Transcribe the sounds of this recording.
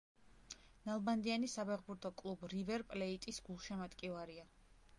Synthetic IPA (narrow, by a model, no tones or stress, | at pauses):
nalˠband̪ianisapʰɛʁbuɾt̪ʰɔkʼlˠubɾivɛɾpʼlɛit̪ʼisɡulˠʃɛmat̪ʼkʼivaɾia